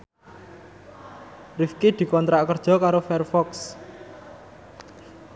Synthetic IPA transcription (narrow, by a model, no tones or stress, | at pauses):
rifked̪̥i̤kɔnt̪ɾaʔkərd̥ʒ̥ɔ̤kaɾofɛrfɔks